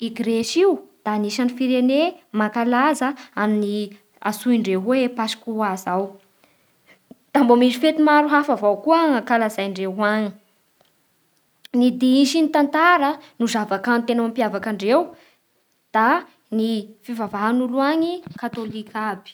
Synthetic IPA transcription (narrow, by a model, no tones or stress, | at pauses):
iɡɾeʃiwd̪̥aniʃanifiɾenemakalazəamini | a̰suiɳɖ͡ʐeɦwepasi̥kʲuazaw | d̪̥ambomisifet̪imaɾuɦafavawkuəakalazajɳɖ͡ʐeɦwaɲi̥ | nid̪iiʃinit̪ant̪aɾənuzavakant̪enawampiavakaɳɖ͡ʐew | d̪̥a | nifivavaɦanuluaɲikat̪olikʲʰab̥i̥